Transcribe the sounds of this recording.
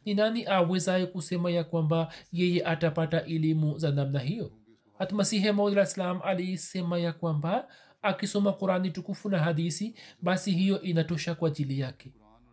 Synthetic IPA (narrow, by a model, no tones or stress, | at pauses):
ninaniʔawɛzajɛkusɛmajakwambajɛjɛʔatapataʔɛlimuzanamnaɦijɔ | at̪umasiɦɛmawdilaslamʔalijɛsɛmajakwambaː | kisɔmaquɾanitukufunaɦaðisiɓasiɦijɔʔinatɔʃakwaːʄilijakɛ